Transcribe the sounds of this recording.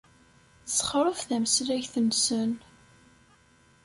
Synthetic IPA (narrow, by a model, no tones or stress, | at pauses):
sχɾˤʊfθæməsɾæʝθənsən